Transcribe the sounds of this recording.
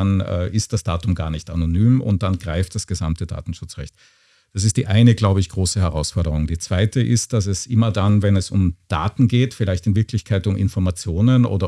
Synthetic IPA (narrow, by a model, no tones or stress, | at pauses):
anɛ̰ːʔɪst̚d̥asd̥aːtʊmɡa̰ːɐnɪçtanonyːmʊ̰nt̚d̥anɡ̥ʁaɪftd̥asɡ̥əzamtəda̰ːtn̩ʃʊt͡sʁɛ̰çt | d̥as̬ɪst̚d̥iːʔaɪnəɡlaʊbəɪçɡ̥ʁoːsəhɛʁ̞aʊsfɔɐɾəʁ̞ʊŋdiːt͡sv̥aɪtəʔɪst̚d̥as̬ɛsʔɪmɐdanvɛnɛsʊmd̥a̰ːtn̩ɡeːtfɪlaɪçtɪnvɪɐkʰlɪçkʰaɪtʊmʔɪ̰nfɔɐmat͡sjoːnənʔo̰ːdɐ